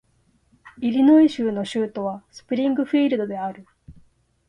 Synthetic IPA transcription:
iɾʲino̞iɕɨːno̞ɕɨːt̪o̞βasɨ̥pɯ̟ɾʲĩŋɡɯ̟ɸiːɾɯ̟d̪o̞d̪e̞aɾɯ̟

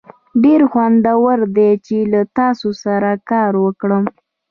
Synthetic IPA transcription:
ɖeɾxwand̪awəɾd̪et͡ʃelat̪ɑsosaɾakɑɾwəkɽəm

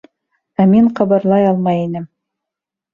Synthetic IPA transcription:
æmiɴqɑ̆βɤ̆ɾlˠɑjɑlˠmɑjinɘm

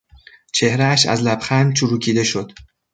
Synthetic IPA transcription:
t͡ʃʰe̞hɾæːʃæ̰zlæbxænt͡ʃʰuɾuːcʰiːd̪e̞ʃo̞d̪̥

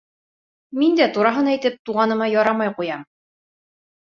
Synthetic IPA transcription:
mind̪æt̪uɾɑɦɤnæjt̪ɘp̚t̪uʁɑnɤ̆mɑjɒɾɑmɑjqujɑm

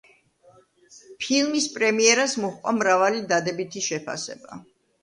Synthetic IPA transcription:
pʰilˠmispʼɾɛmiɛɾasmɔχqʼwa̰mɾavalid̪ad̪ɛbit̪ʰiʃɛpʰa̰sɛ̰ba̰

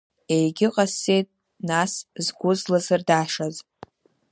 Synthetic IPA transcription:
ejɡʲɪqʼase̞jtʼ | naszɡʷʊzlazɨrdaːʂaz

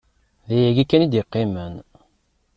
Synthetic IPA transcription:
ðæjæɡækːænid̪iqːimən

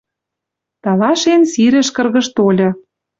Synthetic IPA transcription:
t̪ɑlɑʃensiɾɘ̆ʃkɤ̆rɣɤ̆ʃt̪olʲɤ̆

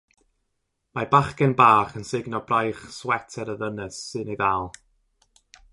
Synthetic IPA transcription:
mabaχkɛnbaːχənsɪɡnɔbrajχswɛtʰɛɾəðənəsːɨneɡalˠ

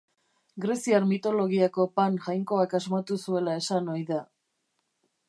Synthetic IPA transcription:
ɡɾe̞siaɾmit̪o̞lo̞ɣiako̞panʝajŋko̞akazmat̪usue̞lae̞sanojða

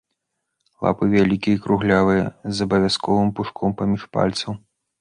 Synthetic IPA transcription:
lˠa̰pɨvʲalʲikʲiikɾuɣlʲavɨjɐzɐbɐvʲaskɔvɨmpuʂkʰɔmpamʲiʂpa̰lʲt̪sɐw

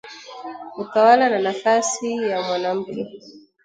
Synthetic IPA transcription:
ukawalananafasijamwanam̩kɛ

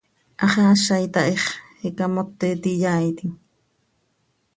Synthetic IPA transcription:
ʔɑχɑːʃajt̪ɑʔeχhikamot̪ːet̪ijaːjt̪iŋ

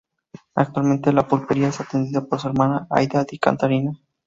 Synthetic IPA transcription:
ak̚t̪walment̪elapulpeɾiaesat̪end̪iðapo̞ɾsue̞ɾmanaa̰jd̪ad̪ika̰nt̪aɾina

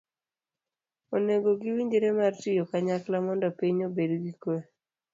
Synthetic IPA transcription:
oneɡoɡiwiɲd͡ʒeɾemartijokaɲaklamɔndɔpiɲobedɡikwɛ

